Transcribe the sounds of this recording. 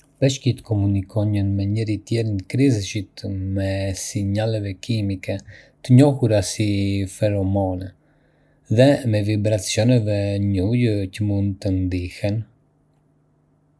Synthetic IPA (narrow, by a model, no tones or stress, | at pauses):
pɛʃkit̪əkɔmunikʰɔɲənmɛɲəɾit̪jɛɾinkɾizʃit̪mɛsiɲalɛvɛkʰimikɛ | t̪əɲɔhuɾasifɛɾɔmɔnɛ | ðɛmɛvibɾat͡sjɔnɛvɛɲujəcəmund̪t̪ənd̪ihɛn